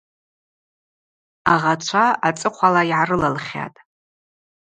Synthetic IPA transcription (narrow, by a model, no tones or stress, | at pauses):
aʁat͡ʃʷʰaat͡sʼɨqʷʰalaiʕarɨlalχʲa̰tʼ